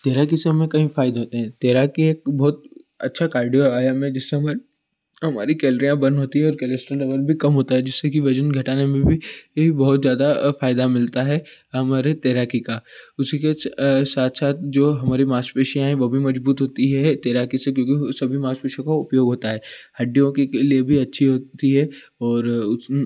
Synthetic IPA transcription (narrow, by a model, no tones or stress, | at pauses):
t̪eːɾakiseɦɐmẽkɐɦĩfaːɪd̪eɦoːt̪eɦɛ̃t̪eːɾakieːk̚bɔːt̪ɐ̰tːʃʰakaːɾɖijoaːjamẽd͡ʒɪsːeɦɐmaɾ | ɦɐma̰ːɾikɛːləɾijãbɐnɦoːt̪iɦɛ̃ɔːɾkɛlesʈəɾɖɐʋəlbʱikɐmɦoːt̪aɦɛd͡ʒɪsːekiʋɐd͡ʒənɡʱɐʈaːnemẽbʱiɦibɔɦʊt̪zjaːd̪afaːɪd̪amɪlt̪aɦɛɦɐmaːɾet̪eːɾaːkikaʊsikesaːt̪ʰsaːt̪̚ʰd͡ʒoːɦɐmaːɾimaːsʈpeːʃijãɦɛ̃ʋobʱimɐd͡ʒbuːt̪ɦoːt̪iɦɛt̪eːɾaːkisek̬jõːkisɐbʱimaːspeːʃijõkaʊpjoːɡɦoːt̪aɦɛːhɐɖːijõkeeliebʱiɐtːʃʰiɦoːt̪iɦɛː | ɔːɾʊ